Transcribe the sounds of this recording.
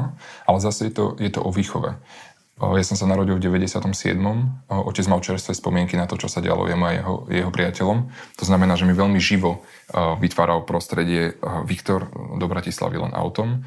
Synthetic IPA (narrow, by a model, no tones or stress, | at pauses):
alɛzasɛjɛt̪ɔ̰jɛt̪ɔ̰ʔɔʋiːxɔʋɛ̰ | jasɔmsanaɾɔɟilvɟɛʋɛɟɛsɪat̪ɔmsɪɛ̰d̪mɔmʔɔcɛd͡zmalt͡ʃɛɾst̪ʋɛspɔmɪɛŋkinat̪ɔt͡ʃɔsaɟɛ̰a̰lɔ̰jɛmuajɛ̰ɦɔ̰jɛɦɔpɾɪacɛlɔmt̪ɔznamɛnaːʒɛmiʋɛʎmiʒiʋɔ | ʋit̪ʋaːɾalpɾɔst̪ɾɛɟɪɛʋikt̪ɔɾd̪ɔbɾacisla̰ʋḭlɛ̰nʔa̰ʊt̪ɔm